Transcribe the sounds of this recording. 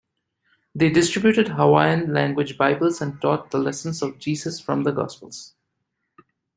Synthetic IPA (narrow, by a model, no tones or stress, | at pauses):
d̪eːɖɪsʈɾɪbjuːʈɪɖɦəwaɪə̃nlæ̃ŋɡwɪd͡ʒbaɪbəlzæ̃ɳɖ̚ʈɔːt̪̚d̪əlɛsə̃nsɔvd͡ʒiːzəsfɾʌ̃md̪əɡɔ̰ːspəlˠz̥